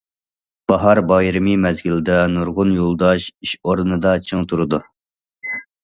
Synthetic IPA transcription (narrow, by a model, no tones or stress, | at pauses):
b̥ɑɦɑɾbɑjɾɨmɨmɛzɡʲild̪ɛnuɾʁʊnjolˠd̪ɑʃiʃoɾnɨd̪ɑt͡ʃʰɨŋt̪ʰuɾɨd̪u